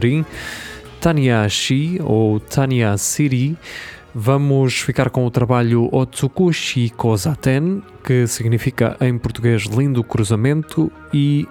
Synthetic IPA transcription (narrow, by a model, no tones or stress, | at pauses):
ɾĩ | t̪aniaʃiot̪ʰaniasiɾi | vɐmuʃfikaɾkõut̪ɾɐβaʎuʔɔt̪sukuʃikozat̪ɛ̃n | kɨsiɣnifikɐ̰ʔɐ̃j̃puɾt̪uɣeʒlˠĩnd̪ukɾuzɐmẽnt̪ʰu | i